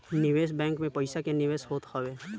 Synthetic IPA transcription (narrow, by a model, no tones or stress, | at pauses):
nɪʋeːsbɛ̃ːŋkmẽpəɪsakenɪʋeːsɦoːt̪həʋeː